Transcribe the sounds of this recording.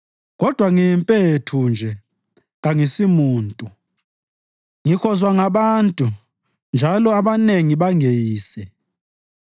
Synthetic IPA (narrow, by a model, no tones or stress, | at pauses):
kɔd̥ʱwaŋimpʼetʰund͡ʒʱɛ | ŋaŋisimuːntʼu | ŋixɔzwaŋaɓantʼu | nd͡ʒʱalɔaɓaneŋiɓaŋejiːsɛ